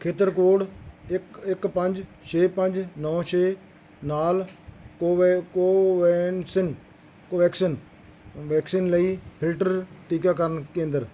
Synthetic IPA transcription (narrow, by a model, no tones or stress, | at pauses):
kʰeːt̪əɾkoːɽkɪkpəɲd͡ʒt͡ʃʰeːpə̃ɲd͡ʒnɔːt͡ʃʰeː | naːlː | koːʋnsɪn | kːʋɛːksɪn | ʋɛːksiːnləiːpʰɪlʈəɾʈiːkaːkəɾənkẽːnd̪əɾ